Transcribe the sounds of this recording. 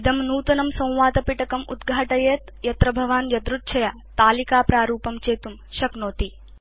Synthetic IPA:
id̪ɐmnuːt̪ɐnɐmsɐ̃w̃ʋaːt̪ɐpiʈɐkɐmṵd̪ɡʱaːʈɐjeːt̪ | jɐt̪ɾɐbʱɐʋaːnjɐd̪ɾut̪̚t͡ʃʰɐja | t̪aːlikaːpɾaːɾuːpɐmt͡ʃeːt̪um | ʃɐknoːt̪i

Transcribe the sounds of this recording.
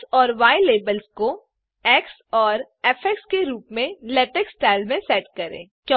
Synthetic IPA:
ɔːɾʋaːɪleːbəlsko | ɛːks | ɔːɾ | ɛːfʰɛkskeɾuːpmẽlɛːʈeksʈaːɪlmẽsɛːʈkɐɾḛ̃ːkjɔ̃

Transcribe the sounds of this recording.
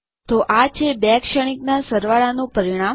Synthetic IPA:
t̪oʔat͡ʃʰebakʃəɽ̃iknasəɾʋaɭanũpəɾiɽ̃am

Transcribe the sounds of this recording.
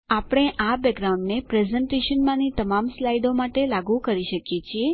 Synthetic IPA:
apɽ̃eʔabɛkɾaũɳɖnepɾezəɳʈeʃənmãnit̪əmamslajd̪omaʈelaɡũkəɾiʃəkjet͡ʃʰie

